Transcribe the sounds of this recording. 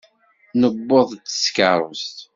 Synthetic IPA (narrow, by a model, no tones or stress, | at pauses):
nəbːoðˤt͡sːə̥skəɾˤə̰st̪